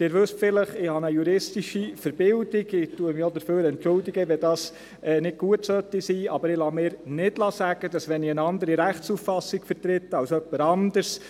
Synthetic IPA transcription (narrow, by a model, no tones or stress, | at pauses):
d̥̪ɪːɾʋɵstfɪləχɪhɑnəjuɾɪstiʃifəɾbɪldiɡɪtuəmɪɔd̪əɾføːɾɛntt͡ʃʊldiɡəʋɛdɑːs | ɛːnɪd̚ɡ̥uətsœt̪isiːɑbəɾɪlɑːmɪːɾnɪdlɑːsæɡ̥əd̥ɑsʋɛnɪənɑnd̪əɾiɾæχtsufɑsːɪɡ̥fəɾt̪ɾɪtːəɑwsœpːəɾɑnd̥̪əɾs